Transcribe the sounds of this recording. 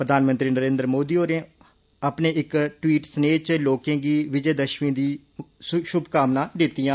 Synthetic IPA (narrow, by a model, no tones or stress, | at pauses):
pɾəd̪aːnmənt̪ɾiːnəɾẽːnd̪ɾmoːd̪iːoːɾẽː | aːpneːɪkʈwiːʈsneːt͡ʃloːkẽːɡiːʋɪd͡ʒeːd̪əʃmĩːd̪iː | ʃʊbkaːmnãːd̪ɪt̪ːijãː